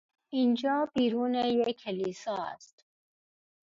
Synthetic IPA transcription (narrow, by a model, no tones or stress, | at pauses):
ind͡ʒɑːbiːɾuːnejekʰːelisɑːæ̰st̪